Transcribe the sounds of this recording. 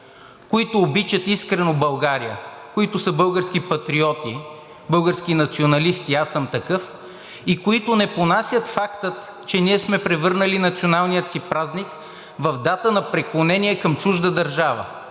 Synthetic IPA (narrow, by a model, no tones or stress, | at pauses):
koit̪ʊːbit͡ʃət̪iskɾɛnobɐlˠɡaɾijəkoit̪osəbɤlˠɡəɾsk̟ipɐt̪ɾiɔt̪i | bɤlˠɡəɾskinɐt̪sionɐlist̪iasːəmt̪ɐkɤf | ikoit̪ʊnɛponasʲjət̪fakt̪ət̪ | t͡ʃɛniɛsmɛpɾɛvɤɾnəlinɐt̪sionalˠnijət̪sipɾaznik | vɐvd̪at̪ənɐpɾɛklˠonɛniɛkɐmt͡ʃuʒd̪əd̪ɐɾʒavə̰